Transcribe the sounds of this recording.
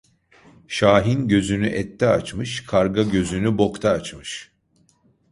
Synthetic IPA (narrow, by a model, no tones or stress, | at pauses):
ʃaːɦinɟø̞zynyʔɛt̪ʰːɛat͡ʃmɯʃkʰaɾɡaɟø̞zynybo̞kt̪ʰaːt͡ʃmɯʃ